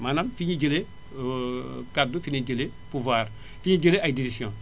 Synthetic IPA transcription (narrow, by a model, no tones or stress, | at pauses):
manamfiɲiɟəle | kadufiɲiɟəle | puvwaːr | fiɲiɟəleʔajdiɾisjɔ̃